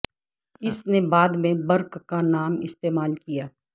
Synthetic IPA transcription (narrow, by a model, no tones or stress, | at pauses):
ɪsnebaːd̪mẽbɐɾkkanaːmɪst̪eːmaːlkijaː